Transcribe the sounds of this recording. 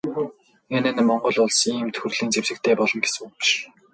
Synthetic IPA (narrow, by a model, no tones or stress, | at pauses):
enɘ̆nmɔɴɢɞ̆ɮʊɮsiːmt̪ʰxurɮiːnt͡sewsɘ̆k̚t̪ʰeːpɔɮɞ̆ŋɡesɘ̆wpi̥ʃ